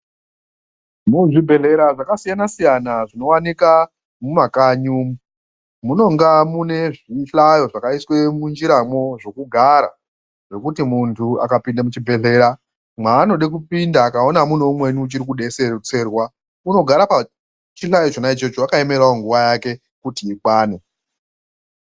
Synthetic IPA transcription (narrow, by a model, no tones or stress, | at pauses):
muʐibʱe̞ɮe̞ɾaʐakasijanasijanaʐino̞wanika | mumakaɲuːm | muno̞ŋɡamune̞ʐiɬajo̞ʐakaiswe̞mund͡ʒiɾamo̞ʐo̞kuɡʱaɾa̰ | ʐo̞kutimuntʰua̰kapindamut͡ʃibʱe̞ɮe̞ːɾa | maːno̞ɗek̬upindaːkao̞namunoumwe̞niːt͡ʃiɾikuɗe̞sert͡se̞rwa | uno̞ɡʱaɾapa | t͡ʃiɬajot͡ʃonait͡ʃe̞t͡ʃoakae̞me̞ɾaoŋɡuʋajake̞ | kutiikwaːne̞